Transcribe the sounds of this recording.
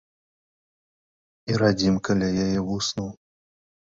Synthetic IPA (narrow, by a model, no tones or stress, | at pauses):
iɾad͡zʲimkalʲajajɛvusnuw